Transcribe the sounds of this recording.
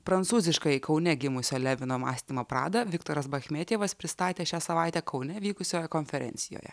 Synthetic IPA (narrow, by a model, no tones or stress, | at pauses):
pɾɐnt̪suːzʲɪʃkɐɪkɒʊnʲɛɡʲɪmʊsʲoːlʲɛʋʲɪnoːmɑ̰ːsʲt̪ʲiːmoːpɾɑ̰ːd̪ɐʋʲɪkt̪oːɾɐsbɐxʲmʲeːt̪ʲeːʋɐspʲɾʲɪst̪ɑːt̪ʲeːʃʲæːsɐʋɑˑɪt̪ʲæːkʰɒʊnʲɛʋʲiːkʊsʲoːjɛkɔnʲfʲɛɾʲɛ̰nʲt̪sʲɪjo̰ːjɛ̰